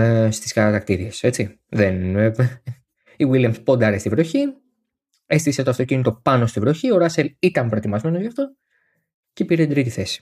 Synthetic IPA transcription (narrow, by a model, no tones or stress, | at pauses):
st̪i̥skɐɾɐt̪ɐkt̪iɾiese̞t͡si | ðen | iwiljɐmspo̞nd̪ɐɾest̪ivɾoçi | e̞st̪ise̞t̪oɐft̪o̞cinit̪o̞pɐno̞st̪ivɾo̞çio̞ɾɐse̞lit̪ɐmpɾot̪imɐzme̞no̞zʝɐft̪o̞ | cepiɾet̪id̪ɾit̪iθe̞si̥